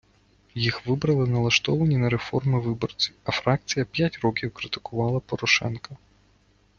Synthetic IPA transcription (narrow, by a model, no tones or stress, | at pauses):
jixʋɪbɾɐlˠɪnɐlˠɐʃt̪ɔʋɐnʲinɐɾefɔrmɪʋɪbɔrt͡sʲiwɐfɾɑk̚t͡sʲijɐpʲjatʲrɔkʲiwkɾɪt̪ɪ̥kʊʋɑlˠɐpɔɾɔʃɛ̰nkɐ